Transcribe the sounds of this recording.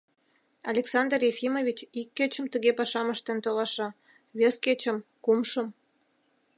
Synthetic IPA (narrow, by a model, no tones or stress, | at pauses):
ɑ̰lʲeksɑnd̪rjefimovʲit͡ɕikːet͡ɕəmt̪əɣepɑʃɑməʃt̪ent̪olɑʃɑ | βesket͡ɕə̆mkumʃəm